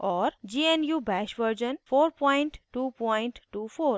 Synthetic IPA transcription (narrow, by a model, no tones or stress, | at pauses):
ʔɔːɾd͡ʒiːenjuːbɛːʃʋəɾd͡ʒənfoːɾpɔ̃ɪ̃ɳʈʈuːpɔ̃ɪ̃ɳʈʈuːfoːɾ